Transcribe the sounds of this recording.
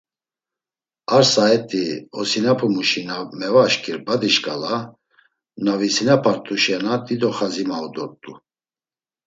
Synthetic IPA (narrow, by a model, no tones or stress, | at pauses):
aɾsaɛt̪ʼiɔsinapʰumuʃinamɛvaʃkʰʼiɾbad̪iʃkʼala | navisinapʰaɾt̪ʼuʃanad̪id̪ɔχazimaud̪ɔɾt̪ʼu